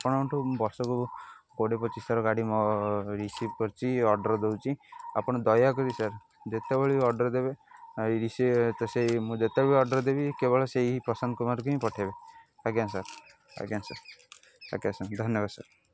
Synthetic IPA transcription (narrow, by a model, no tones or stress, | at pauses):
apɔɽ̃ɔɔʈubɔɾsɔkuɡoɽepɔt͡ʃisaɾɔɡaɽimɔɾisip̚kɔɾt͡ʃʰiɔɾɖɔɾd̪ewt͡ʃʰia̰pɔɽ̃ɔd̪ɔjakɔɾisaɾ | d͡ʒet̪ebɔɭiɔɾɖɔɾd̪eβeɾisit̪ɔsemũd͡ʒet̪ebɔɭiɔɖɔɾd̪ebikebɔɭeseipɔsand̪kumaɾk̬uɦĩpɔʈʰebe | aɡiansaɾ | a̰kiansaɾ | a̰kasad̪ʱɔnjɔbad̪saɾ